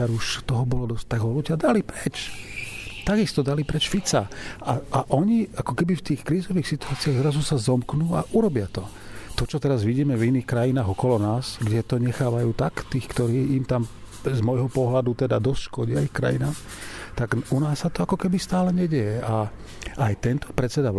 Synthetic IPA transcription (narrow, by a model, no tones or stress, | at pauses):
aɾuʃt̪ɔɦɔbɔlɔd̪ɔst̪aɡɦɔluɟɪad̪alipɾɛt͡ʃ | t̪aɡist̪ɔd̪alipɾɛt͡ʃfit͡saaʔaʔɔɲiakɔkɛbift̪iːxkɾiːzɔʋiːxsit̪uaːt͡siaɣzɾazusazɔmknuːaʔuɾɔbɪat̪ɔ | t̪ɔt͡ʃɔt̪ɛɾazʋiɟiːmɛviniːxkɾajinaːɦɣɔkɔlɔnaːsɡɟɛt̪ɔɲɛxaːʋajuːt̪akt̪iːxkt̪ɔɾiːimt̪am | zmɔjɦɔpɔɦlad̪ut̪ɛd̪ad̪ɔst̪ʃkɔɟiaixkɾa̰jinaːm | t̪aɡunaːsːat̪ɔakɔkɛbist̪aːlɛɲɛɟɛjɛa | ajt̪ɛnt̪ɔ̥pɾɛt͡sɛd̪a